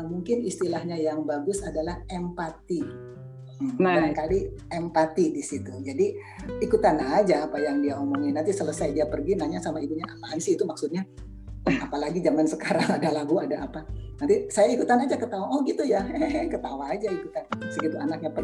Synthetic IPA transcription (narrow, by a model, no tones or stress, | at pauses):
muŋkɪnist̪ilahɲajaŋbaɡʊsadalahɛmpat̪i | aaŋkaliɛmpat̪idisit̪ud͡ʒadi | ikut̪anad͡ʒaːpajaŋdiaomoŋɪnant̪isələsajdiapərɡinaɲasamaibuɲaamansiːt̪umaksʊt̪̚ɲa | apalaɡid͡ʒaŋansəkaɾaŋadalaɡuadaːpanant̪isajaikut̪anad͡ʒakət̪awaɔhɡit̪ujaɛkət̪awaːd͡ʒaikut̪ansəɡit̪uanak̚ɲapə